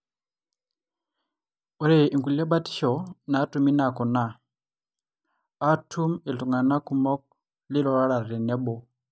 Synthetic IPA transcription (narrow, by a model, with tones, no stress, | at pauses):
ɔ˦ɾɛ˦˨ʔi˨ŋɡu˨li˦a˦ɓa˦ti̥˦ʃɔ˨na˨˦tu˨mi˦na˨kɔ˨na˦˨ | a˦tʰu˦mi˨lu˨ŋa˨na˦ku˨mɔ˦k̚ | li˦lɔ˨ɾa˦ɺa˨ɾɛ˨nɛ˦ɓɔ˨